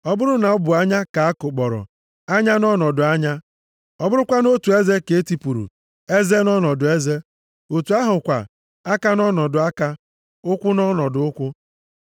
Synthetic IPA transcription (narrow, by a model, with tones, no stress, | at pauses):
ɔ˦bʊ˦ɾʊ˦na˨ʊ˦bʊ˨a˦ɲa˦ka˨a˦kʊ˨k͡pɔ˨ɾɔ̰˨ | a˦ɲa˦nɔ˦nɔ˨dʊ˨a˦ɲa˦ | ɔ˨bʊ˦ɾʊ˦kʷa˦no˦tu˨e˦ze˦ke˨e˦ti˨pu˨ɾṵ˨ | e˦ze˦nɔ˦nɔ˨dʊ˨e˦ze˦ | o˨tu˨a˦ɦʊ˨kʷa̰˨ | a˦ka˦nɔ˦nɔ˨dʊ˨a˦ka˦ | ʊ˦kʷʊ˦nɔ˦nɔ˨dʊ˨ʊ˦kʷʊ˦